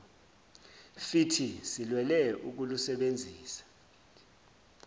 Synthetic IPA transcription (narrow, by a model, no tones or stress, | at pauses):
fitʰisilwɛlɛuk̬ulusɛɓend͡zʱiːsḁ